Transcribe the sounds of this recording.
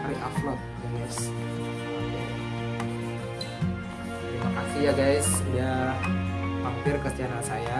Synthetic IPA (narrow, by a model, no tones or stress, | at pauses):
riʔaflɔt̪̚ːuməs | imakasijaɡajsdia | hampɪrkəst̪ianasaja